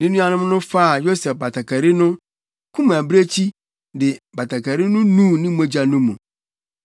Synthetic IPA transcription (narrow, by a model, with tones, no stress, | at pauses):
nɪ̃˦nũ˦a˦nʊ̃˦m˦nʊ̃˦fa˦˨jo˦sɛ˨fba˨tʰa˨kʰa˨ɾi˦nʊ̃˦ | kʰũ˦m˨æ˨bɾe˦t͡ɕʰi˦ | dɪ˨ba˨tʰa˨kʰa˨ɾi˦nʊ̃˦nũ˦˨nɪ̃˦mo˦d͡ʑa˨nũ˦mũ˨